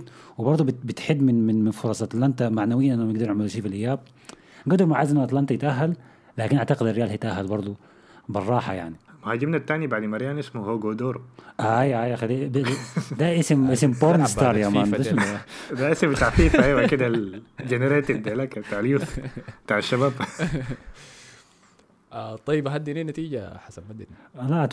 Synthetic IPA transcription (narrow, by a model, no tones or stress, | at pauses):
wɪbɑɾˤd̪ˤubɪbɪt̪ħɪd̪ːmɪnmɪnmɪnfʊɾˤɑːsˤʔɑt̪lant̪amaʕnawɪjːanʔɪnːmɪɡd̪ɑɾˤnaʕmalʃiːfilʔɪjːaːb̚ | ɡod̪oɾˤmaʕaːzʔnːʔɑt̪lant̪ɑjɪt̪ʔaɦːalː | aːkɪnʔaʕt̪aqɪd̪ɪrːɪjaːlhijɪt̪ʔaɦːalbɑɾˤd̪ˤu | bɪrˤːɑːħa̰ja̰ʕnilmʊhaːd͡ʒɪbnat̪ːaːnibaʕd̪imɑɾjaːnʔɪsmuhowɡoːd̪oːɾʔaajʔajaxalːi | d̪aʔɪsmʔɪsmpoɾˤnst̪ɑːɾˤjamaːnd̪aad̪aʔɪsmt̪aʕfiːfʔajwakɪd̪ad͡ʒeneɾeːt̪ɪd̪elakabt̪aːʕaljuːθbt̪aːʕaʃːabaːb | t̪ˤɑjːɪbɦad̪ːiniːnat̪iːd͡ʒa̰ħasanmad̪ːɪla